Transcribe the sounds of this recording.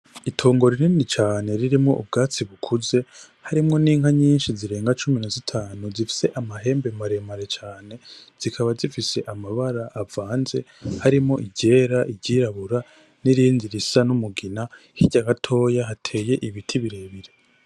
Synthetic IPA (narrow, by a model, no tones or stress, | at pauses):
itʰo̞ːŋɡo̞ɾiɾiːndit͡ʃaːne̞ɾiɾimŋo̞̰ʔub̚ɡaːt͡siβukʰuze̞ | haɾimŋo̞niːŋɦaɲiːnʃiziɾe̞ːŋɡat͡ʃuminazitʰaːnuzifi̥se̞ʔamaɦe̞ːmbemaɾe̞maɾe̞t͡ʃaːne̞z̥ikʰaβazifise̞ʔamaβaɾaʔːvaːnze̞haɾimŋo̞ʔiɟe̞ːɾaʔiɟiɾaβuɾa | niɾiːnziɾisanumuɡina | hiɟaɡatʰo̞ːjaɦatʰe̞ːje̞ʔiβitʰiβiɾe̞ːβiɾe̞